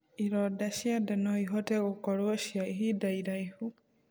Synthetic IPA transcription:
iɾɔdaʃjadanɔiɦɔtɛɣokɔɾwʃjaiɦidaiɾaihu

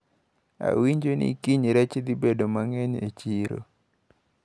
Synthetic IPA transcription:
a̰wiɲd͡ʒonḭkiɲiɾɛt͡ʃed̪ibedomaŋɛɲḛt͡ʃiɾo̰

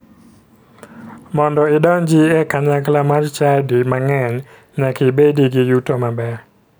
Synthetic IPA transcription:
mɔndɔɪdɔnd͡ʒiɛkaɲaklamart͡ʃadimaŋɛɲ | ɲakɪbediɡijutomabɛ

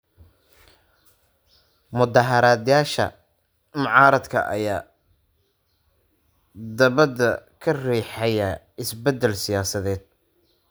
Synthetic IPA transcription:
mʊðɑɦɐɾaːd̪jaːʃɐ̰ | mɑʕɑːɾɐd̪kʰɐ̰ʔɐ̰jaː | d̪ɐβɐd̪ɐkʰɐriːħɐjɐ | ɪsbɛd̪ːɛlsɪjaːsɐðɛːd̪̥̚

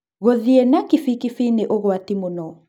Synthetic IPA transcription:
ɣɔðiɛnakifikifineʔɔɣɔatimunɔ

